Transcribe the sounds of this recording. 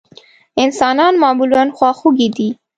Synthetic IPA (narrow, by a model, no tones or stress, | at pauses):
ɪnsɑnɑnmɑmuluanxwɑxuɡid̪i